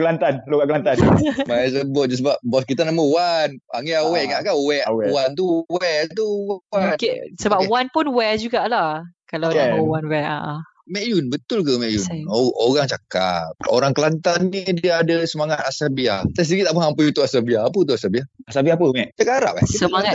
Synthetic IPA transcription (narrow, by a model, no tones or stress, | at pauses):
kəlant̪anloɡaʔkəlant̪anmaɛs̬əbʊt̪̚d͡ʒəsəbap̚bɔskit̪anaməwanaŋiawɛʔŋaʔkanwɛʔwɛwant̪uwɛt̪̬uwanksəbapwanpunwɛd͡ʒuɡaʔlahkaladaməwanwɛa̰ʔ | mɛʔjunbət̪ʊlkəmɛʔjunoɣaŋt͡ʃaka̰p̚o̰ɾaŋkəlant̪anːidiaːdəsəmaŋat̪̚asabiat̪as̬iɡiʔt̪aʔməhampəjut̪uʔasabiaːp̬ət̪uasabiaasabiapəŋɛʔt͡ʃakaaɾa̰ʔa̰itsəmaŋa